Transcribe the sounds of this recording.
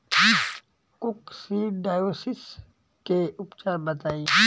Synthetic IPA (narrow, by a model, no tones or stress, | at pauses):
kʊksiːɖaːjosis | keʔʊpt͡ʃaːɾbət̪aːi